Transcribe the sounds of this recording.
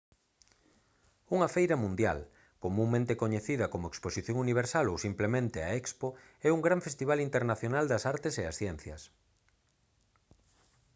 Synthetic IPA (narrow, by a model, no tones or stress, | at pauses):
uŋɐfejɾɐmũnd̪ja̰l | komũŋmẽnt̪ekoɲeθiðɐkomoeksposiθjoŋuniβ̞eɾsalowsimplemẽnt̪ea̰ɛkspo | ɛuŋɡɾaɱfest̪iβ̞alint̪eɾnaθjonald̪ɐsaɾt̪eseɐ̰sθjɛn̟θjɐ̰s